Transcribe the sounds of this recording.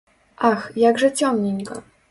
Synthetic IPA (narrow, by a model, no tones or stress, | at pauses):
ʔaxjaɡʐɛt͡ɕɔmɲeɲɡɔ̰